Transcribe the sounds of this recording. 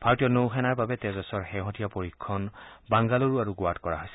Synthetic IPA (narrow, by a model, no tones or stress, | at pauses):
b̥ʱaɹotijɔnowxɛnaɹbabɛtɛzɔsɔɹxɛɦɔtijapoɹikʰːɔnbaŋɡaluɹuaɹuɡʊatkɔɹa̰ɦojsɛ